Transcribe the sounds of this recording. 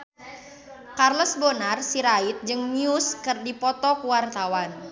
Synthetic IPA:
karlɔsbonarsiɾait̪̚d͡ʒɨŋmiʊskɨrdipɔt̪ɔkuwart̪awan

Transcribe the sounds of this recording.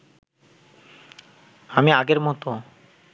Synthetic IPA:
amiaɡeɾmɔt̪o

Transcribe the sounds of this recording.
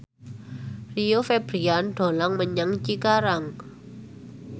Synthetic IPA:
riofeb̥ɾianɖ̪̥o̤laŋməɲaŋt͡ʃikaɾaŋ

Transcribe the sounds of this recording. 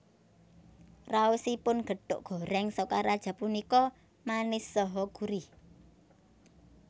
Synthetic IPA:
rausipʊnɡ̥ə̤ɖ̥ʊ̰ʔɡ̥ɔ̤ɾɛŋsɔkaɾad̥ʒ̥a̤punikɔ | manɪsːɔɦɔɡ̥uɾi

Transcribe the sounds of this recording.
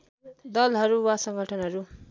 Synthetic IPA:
d̪ʌlɦʌɾuwasʌŋɡʱʌʈʰʌnɦʌɾu

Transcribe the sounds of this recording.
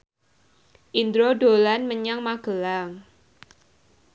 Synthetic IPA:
ʔind̪ɾodo̤lanməɲaŋmaɡ̥əlaŋ

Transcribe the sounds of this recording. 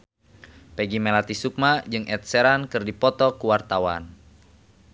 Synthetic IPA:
pɛɡimɛlat̪isuk̚mad͡ʒɨŋʔɛt̪̚sɛɾankɨrdipɔt̪ɔkuwart̪awa̰n

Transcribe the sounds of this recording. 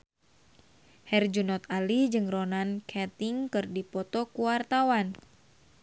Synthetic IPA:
hɛrd͡ʒunɔt̪̚alid͡ʒɨŋronankʰɛt̪iŋkɨrdipɔt̪ɔkuwart̪awan

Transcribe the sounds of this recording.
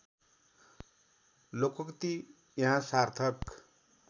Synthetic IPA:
lokʌkt̪i | jɦãsart̪ʰʌk

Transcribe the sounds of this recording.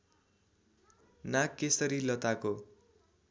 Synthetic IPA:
nakesʌɾilʌt̪ako

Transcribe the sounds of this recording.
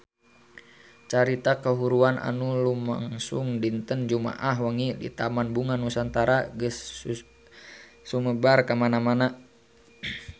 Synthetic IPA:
t͡ʃaɾit̪akəɦuɾuanʔa̰nuluma̰ŋsuŋdint̪ənd͡ʒuma̰ʔaɦwaŋidḭt̪amanbuŋanusant̪aɾaɡəs | uməbarkamanamana

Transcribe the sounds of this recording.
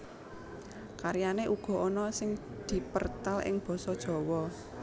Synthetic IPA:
kaɾijaneʔuɡ̥ɔ̤ʔɔnɔsɪŋ | d̪̥i̤pərt̪alʔɪ̰ŋb̥ɔ̤sɔd̥ʒ̥ɔ̤wɔ

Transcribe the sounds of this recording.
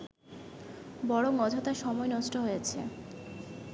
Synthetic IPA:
bɔɽoŋɔd͡ʑʱot̪aʃɔmɔenɔʃʈoɦojet͡ɕʰḛ

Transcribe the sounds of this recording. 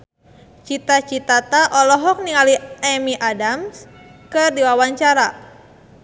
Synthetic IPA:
t͡ʃit̪at͡ʃit̪at̪aʔɔlɔɦɔk̚niŋaliɛmiʔadams | kɨrdiwawaɲt͡ʃaɾa

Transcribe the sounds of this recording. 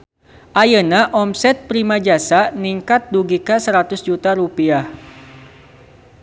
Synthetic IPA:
ʔajənaʔɔmsɛt̪̚pɾimad͡ʒasaniŋkat̪̚duɡikasəɾat̪ʊsd͡ʒut̪aɾupiah

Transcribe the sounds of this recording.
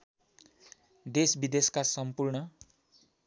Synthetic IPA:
d̪esbid̪eskasʌmpurɳʌ

